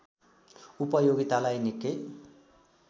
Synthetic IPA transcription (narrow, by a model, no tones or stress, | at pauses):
upʌjoɡit̪alajnikːe